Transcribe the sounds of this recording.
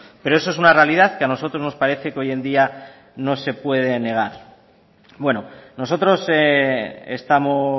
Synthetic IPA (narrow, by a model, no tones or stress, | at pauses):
pe̞ɾo̞es̬oesunare̞aliðaθkeano̞s̬o̞t̪ɾo̞zno̞spaɾe̞θe̞keo̞je̞nd̪ia | no̞se̞pwe̞ð̞e̞ne̞ɣ̞aɾ | bwe̞no̞noso̞t̪ɾo̞seest̪amo̞